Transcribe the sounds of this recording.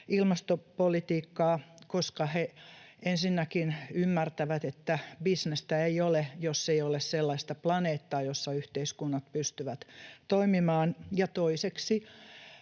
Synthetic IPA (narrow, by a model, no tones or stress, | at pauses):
ilmɑst̪opolit̪iːkːɑːkoskɑheensinːækinymːært̪æʋæt̪et̪ːæbisnest̪æeiolejosːeiolesselːɑist̪ɑplɑneːt̪ːɑːjosːɑyht̪eiskunːɑt̪̚pyst̪yʋæt̪t̪oimimɑːnjɑt̪oiseksi